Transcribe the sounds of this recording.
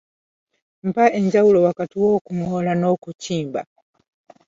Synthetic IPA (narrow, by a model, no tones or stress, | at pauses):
m̩paɛɲd͡ʒaulɔwakatiwɔkuŋɔlanɔkut͡ʃimba̰